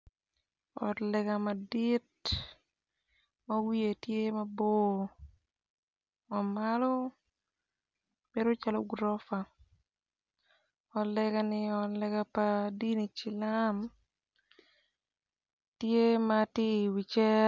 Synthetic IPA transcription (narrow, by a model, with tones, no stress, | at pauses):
ɔ̰˨tlɛɡamadit | mawi˦e˨tje˦mabo˦ | ma˨malɔ˦ | be˦ɾo˦t͡ʃa˦lɔ˦ɡɾɔ˦fa˨ | ɔ˨lɛɡanɪɔ˨lɛɡapadi˦ni˨t͡ʃɪ˨lam | tje˦matɪ˦wi˨t͡ʃɛ˦